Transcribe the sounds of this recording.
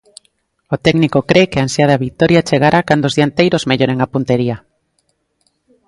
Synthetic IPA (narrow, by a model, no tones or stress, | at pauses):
ot̪ɛɡnikokɾekeansjaðaβit̪ɔɾjat͡ʃeɣaɾʔakand̪ozðiaent̪ejɾozmeʎoɾeŋapunt̪eɾia